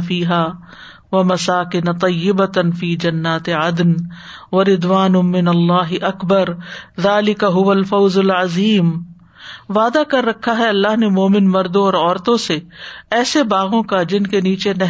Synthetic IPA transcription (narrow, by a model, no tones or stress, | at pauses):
fiːɦaː | ʋɐmɐsaːkɪnat̪ˤɑjːɪbɐt̪fiːd͡ʒɐnːaːt̪eʕɐd̪nʋɐɾɪd̪waːnʊmɪnɐlːaːɦɪʔɐkbɐɾðaːlɪkaɦʊʋɐlfɐwzʊlʕɐziːm | ʋaːd̪akɐɾːɐkʰːaɦɛɐlːaːɦnemoːmɪnmɐɾd̪õɔːɾɔːɾt̪õseɛːsebaːɣõkad͡ʒɪnkeniːt͡ʃenɐ